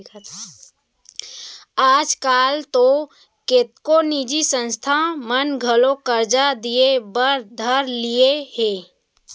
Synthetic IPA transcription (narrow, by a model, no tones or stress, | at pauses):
t | aːd͡ʒkaːlt̪o | ket̪̚koniːd͡ʒisə̃nst̪ʰamənɡʱəlokəɾd͡ʒad̪ijebəɾd̪ʱəɾlieheː